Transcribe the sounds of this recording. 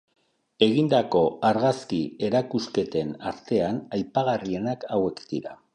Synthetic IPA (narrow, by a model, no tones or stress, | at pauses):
e̞ɣind̪ako̞aɾɣaskie̞ɾakuske̞t̪e̞naɾt̪e̞anajpaɣ̞arie̞nakawe̞kd̪̥iɾa